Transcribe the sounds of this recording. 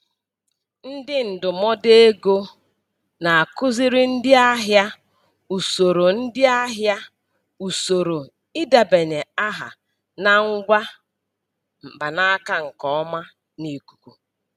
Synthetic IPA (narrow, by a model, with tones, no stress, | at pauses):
n̩˦dɪ˦n̩˨dʊ˨mɔ˦de˦ɡo˦ | na˨a˨kʊ˦zɪ˦ɾɪ˦n̩˦dɪ˦a˦ɦja˦ | u˨so˨ɾo˨n̩˦dɪ˦a˦ɦja˦ | u˨so˨ɾo˨ | ɪ˦da˨be˨ɲe˨a˦ɦa̰˨ | na˦ŋ̩˦ɡʷa˦ | m̩˨ba˨na˦ka˨ŋ̩˨kɔ˨ɔ˦ma˦ | ni˨ku̥˨kʷu˨